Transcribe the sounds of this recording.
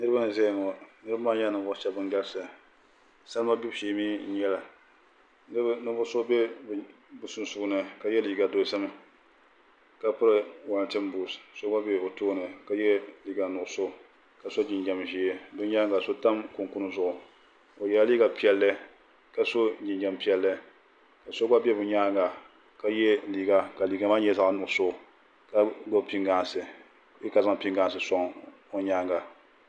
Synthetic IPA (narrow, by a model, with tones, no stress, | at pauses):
nɨ˦ɾɨ˦ba˦nɨ˨zɛ˦˨ŋɔ˨nɨ˦ɾba˦maː˦ɲa˦nɨ˨bʊ˦ʃɛ˦bɨ˦ŋɡa˦lsa˨ | sa˦lma˦bu˦bʃeː˨miː˦ɲɛ˦la˨ | nɨ˦nɨ˦bʊ˦so˦be˦b | bu˨su˦n˦su˨knɨ˨ka˨jɛ˦li˨ɡa˨do˨˦sa˦mɨ˦ | ka˦pɨ˦ɾɨ˨wa˨n˨tɨ˦mbuː˨sso˦ŋa˦be˦o˨toː˦nɨ˨ka˦jɛ˦li˨ɡa˨nʊ˨ʊ˨so˦ | ka˨so˦d͡ʒɪ˨nd͡ʒa˨mʒi˨e˦bɨ˦ɲa˦ŋɡa˨so˦ta˦mkʊ˨ŋku˦n˦zʊ˦ʔʊ˨ | o˨jɛ˨la˦liː˦ɡa˨pi˦ɛ˦lːɨ˦ | ka˦so˦d͡ʒi˨nd͡ʒa˨mpi˦ɛ˦lːɨ˦ | ka˨so˦ɡa˦bɛ˦bʊ˨ɲaː˦ŋɡa˨ | ka˦jɛ˦liː˨ɡa˨ka˨liː˨ɡa˨ma˦ɲɛ˦za˦ŋ˦nʊ˨ʊ˨sʊ˦˨ | ka˦ɡ͡bo˦˨pi˦ŋɡa˨sɨ˨ | ji˦ka˨za˦ŋ˨pi˦ŋɡaː˨sɨ˨sɔ˦ŋ | o˨ɲaː˦ŋɡa˨